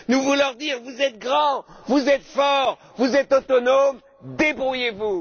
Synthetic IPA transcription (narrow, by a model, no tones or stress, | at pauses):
nuvulɔʁd̪iʁvuzɛt̪̚ɡʁɑ̃vuzɛt̪fɔʁ | vuzɛt̪ot̪ɔnom | d̪ebʁujevu